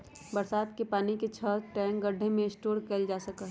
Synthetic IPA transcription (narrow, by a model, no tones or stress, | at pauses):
bəɾsaːt̪kepaːniket͡ʃʰəʈɛ̃ːŋk̚ɡəɖʱːẽmẽɪsʈoːɾkɛld͡ʒaːsəkaɦ